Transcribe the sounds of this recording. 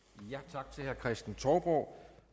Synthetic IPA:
jæt͡sʰɑ̈ɡ̥̚t͡sʰe̝lhæɐkʰʁɛsd̥n̩t͡sʰɒʊb̥ʁɒʊ

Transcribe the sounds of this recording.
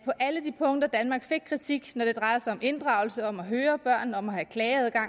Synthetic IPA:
pʰɒ̽ʔæləd̥ipʰɔ̽ŋ̰d̥ɐd̥ænmɑ̈ːɡ̥fe̝ɡ̥kʰʁit͡sʰiɡ̥nɒd̥e̝d̥ʁɑ̈ɪɐsɑ̈ɪɒ̽mʔe̝nd̥ʁɑ̈ʊl̩səɒ̽mæɦøːɐb̥ɶɐ̰nɒ̽mæhækʰlɛːð̞ˠɡ̥ɑ̈ŋ̰

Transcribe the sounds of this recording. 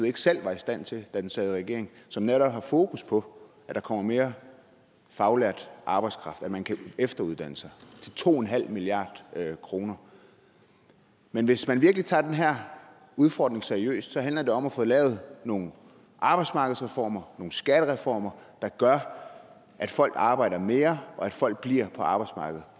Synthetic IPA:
ð̩ˠe̝ɡ̥sel̰ʋɑ̈isd̥æn̰t͡sʰe̝d̥æd̥ensɛːð̩ˠʁɛɡ̥e̝ɐ̰e̝ŋ | sɒ̽mneɾɒ̽b̥hɑ̈foːkʰuspʰɒ̽ | æd̥ɑ̈kʰɒ̽m̰ɐme̝ːɐ | fɑ̈ʊlæɐ̰d̥ʔɑ̈ːb̥ɑɪ̥skʰʁɑ̈fd̥æmænkʰæefd̥ɐuð̞ˠd̥æn̰əsɑ̈ɪt͡sʰe̝lt͡sʰo̝̰ːenɦæl̰miliɑ̰̈ːd̥kʰʁo̝ːnɐ | menʋe̝smænʋiɐɡ̥lit͡sʰɑ̈ːd̥enɦæɐ̰ | uð̞ˠfɒ̰ːd̥ne̝ŋseɐiø̰ːsd̥sɒ̽ɦænlɐd̥e̝ɒ̽mæfɔ̽ːðˠlɛ̰ːʊð̩ˠno̝ːn̩ | ʔɑ̈ːb̥ɑ̈ɪsmɑ̈ːɡ̥əð̩ˠsʁɛfɒ̰ːmɐno̝ːn̩sɡ̥æɾ̥əʁɛfɒ̰ːmɐd̥ɑ̈ɡ̥ɶɐ | ʔæd̥fɒ̽l̰ɡ̥ɑ̈ːb̥ɑ̈ɪ̰dɐme̝ːɐɒ̽æd̥fɒ̽l̰ɡ̥̚b̥liɐ̰pʰɒ̽ɑ̈b̥ɑ̈ɪ̥smɑ̈ːɡ̥əð̞̩ˠ

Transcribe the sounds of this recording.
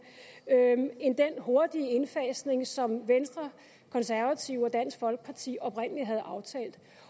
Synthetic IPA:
e̝nd̥enho̝ɐd̥iəe̝nfɛsne̝ŋsɒ̽mʋensd̥ʁɐ | kʰɒ̽nsæɐʋæt͡sʰiʊ̰ɒ̽d̥æn̰sɡ̥fɒ̽lɡ̥ə̥pʰɑ̈t͡sʰḭːɒ̽pʁɛn̰əliɦæð̞̩ˠʔɑ̈ʊt͡sʰɛ̰ːld̥

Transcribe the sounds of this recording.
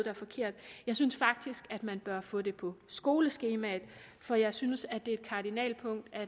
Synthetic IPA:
d̥ɑæɐfɒ̽kʰe̝ɐ̰d̥jɑ̈ɪsynsfɑ̈ɡ̥̚d̥isɡ̥æd̥mænb̥ɶɐfɔ̽ːd̥e̝pʰɒ̽sɡ̥o̝ːləsɡ̥e̝ːmæð̩ˠ | fɒ̽jɑ̈ɪsynsæd̥e̝ɐed̥̚kʰɑ̈d̥inɛ̰ːlpʰɔ̽ŋ̰d̥æ

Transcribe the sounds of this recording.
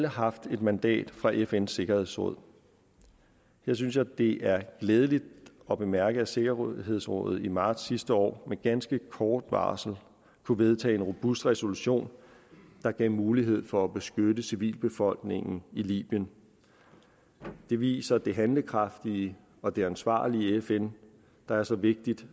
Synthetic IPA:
ləɦɑ̈fd̥e̝d̥mænd̥ɛ̰ːd̥fʁɑ̈ʔefensːe̝ɡ̥ɐhe̝ð̰ˠsʁɔ̽ð̰ˠ | heɐ̰synsjɑ̈ɪd̥e̝ʔæɐɡ̥lɛːðˠəlid̥ | ɒ̽b̥e̝mæɐɡ̥əæse̝ɡ̥ɐhe̝ð̞̰ˠsʁɔ̰ðˠð̩ˠimɑ̈ːd̥sːisd̥əɒ̰ːmeɡ̥ænsɡ̥əkʰɒːd̥ʋɑ̰̈ːsl̩ | kʰuʋe̝ð̞ˠt͡sʰɛ̰ːenʁo̝b̥usd̥ʁɛso̝luɕo̝̰ːn | d̥ɑ̈ɡ̥ɛ̰ʊmuːliɦe̝ð̞̰ˠfɒ̽æb̥e̝sɡ̥ødəsiʋḭːlb̥e̝fɒ̽l̰ɡ̥ne̝ŋn̩ilḭːb̥jən | d̥e̝ʋḭːsɐd̥e̝ɦænləkʰʁɑ̈fd̥i | ɒ̽d̥e̝ænsʋɑ̰̈ːliefen | d̥ɑ̈æɐsɒ̽ʋe̝ɡ̥̚d̥id̥

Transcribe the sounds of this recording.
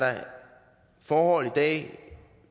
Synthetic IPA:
ɾɑ̈ | fɒːhɒ̽l̰id̥ɛ̰ː

